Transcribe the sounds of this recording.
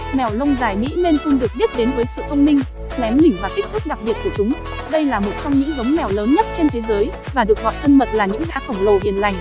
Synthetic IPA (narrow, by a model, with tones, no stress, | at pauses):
mɛ˨˩wlə˧wŋ͡mzaː˨˩jmḭ˧˥ne˧nfɨ˧nɗɨ˨˩ək̚ɓi˦˥ət̚ɗe˨˦nvəː˨˦jsɨ̰˧˨t̪ʰə˧wŋ͡mmï˧ŋ̟ | lɛ˨˦mlï˧˩vaː˨˩ki˦˥k̚t̪ɨ˦˥k̚ɗa˨˩k̚ɓi˨˩ət̚ku˧˩t͡ɕʊ˨˦ŋ͡m | ɗə˧jlaː˨˩mo˨˩t̚t͡ɕɔ˧wŋ͡mɲɨ̰˧˥ŋɣə˨˦wŋ͡mmɛ˨˩wləː˨˦nɲə˦˥t̚t͡ɕe˧nt̪ʰe˨˦zəː˨˦j | vaː˨˩ɗɨ˨˩ək̚ɣɔ̰˧˨jt̪ʰə˧nmə˨˩t̚laː˨˩ɲɨ̰˧˥ŋɣaː˨˦xə˧˩wŋ͡mlo˨˩hḭ˨˩ənla˨˩jŋ̟